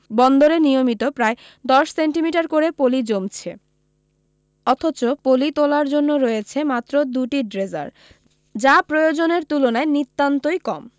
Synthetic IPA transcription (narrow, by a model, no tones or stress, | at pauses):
bɔnd̪oɾenijomit̪opɾae | d̪ɔʃseɳʈimiʈaɾkoɾepolid͡ʑomt͡ɕʰe | ɔt̪ʰot͡ɕopolit̪olaɾd͡ʑonːoɾɔjet͡ɕʰemat̪ːɾod̪uʈiɖɾeza̰ɾ | d͡ʑapɾojod͡ʑoneɾt̪ulonaenit̪ːant̪ojkɔm